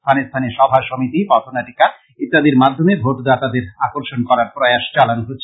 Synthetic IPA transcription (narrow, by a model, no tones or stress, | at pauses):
t̪ʰanest̪ʰaneʃɔbʱaʃomit̪ipɔt̪ʰonaʈikaɾ | it̪ːad̪iɾmad̪ʱːomebʱot̪d̪at̪ad̪eɾakoɾʃonkɔɾaɾpɾoeaʃt͡ɕalanoɦotːɕʰe